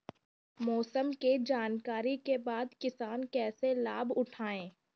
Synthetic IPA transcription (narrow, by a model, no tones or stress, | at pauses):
mɔːsəmked͡ʒaːnkaːɾikebaːd̪kɪsaːnkɛːsela̰ːbʊʈʰaːẽː